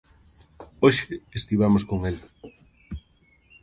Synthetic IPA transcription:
oʃeest̪iβamoskoŋel

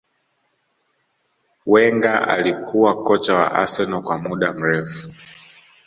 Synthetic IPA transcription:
wɛŋɡaʔa̰likʰuwakɔt͡ʃawa̰ʔa̰sɛnɔkwamuɗam̩ɾɛfu̥

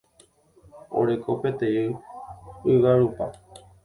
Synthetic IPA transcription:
o̰ɾe̞kʰopet̪eɨ | ɨʋaɾupa

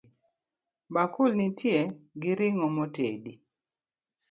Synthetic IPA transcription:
bakulnitʰjeɡɪɾɪŋɔmɔtḛdi

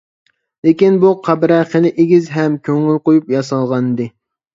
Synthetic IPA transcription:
lekʲinbuqʰɑbɾɛχelɪʔeɡʲizɦɛmkʲʰøŋylqojupjɑsɑlˠʁɑnd̪ɨ

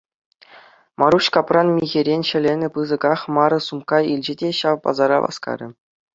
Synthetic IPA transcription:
mɑɾuɕkɑprɑnmʲiɣʲeɾʲenʲɕɘ̆lʲenʲɘ̆pɯzɤ̆ɡɑχmɑɾɤ̆sumkɑilʲd͡ʑɘ̆dʲeɕɑʋpɑ̰zɑɾɑ̰ʋɑ̰skɑ̰ɾʲɘ̆

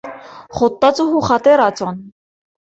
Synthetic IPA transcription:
χɔt̪ːɑt͡sʼuɦuχɑt̪ɛɾɑt͡sɔn

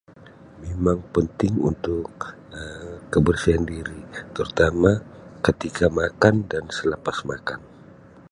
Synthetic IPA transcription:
memaŋpənt̪ɪŋṵnt̪ʊk | əːəbərsiandiɾit̪əɾut̪amakət̪ikamakandansələpasma̰kan

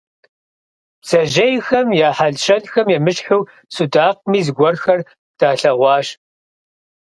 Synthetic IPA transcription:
psɐʒɐjxɐmjaːħaɮʃɐnxɐmjɛmɨɕħuw | sudaːq̚miːzɨɡʷɔrxɐr | d̥aːɬɐʁʷɑːʃ

